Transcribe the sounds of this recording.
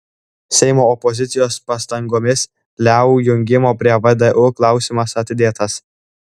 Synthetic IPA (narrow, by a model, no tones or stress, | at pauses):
sʲɛɪmoːɔpɔzʲɪt̪sʲɪjoːspɑst̪ɐŋɡoːmʲɪs | lʲæːʊjʊŋʲɡʲɪmoːpʲɾʲiɛʋɐd̪ʲɐʔʊklˠɑˑʊsʲimɐsɐt̪ʲɪd̪ʲeːt̪ɐs